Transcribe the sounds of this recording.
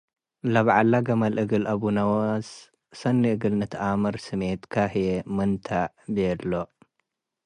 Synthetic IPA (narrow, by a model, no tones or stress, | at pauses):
lɐβʕalːaɡɐmɐlʔɨɡɨlɐβunɐwɐs | sɐnːɨʔɨɡɨlnɨt̪ʰɨʔamɨɾsɨmet̪kʰaħjemɨnt̪ʰaʕbɨjɛlːo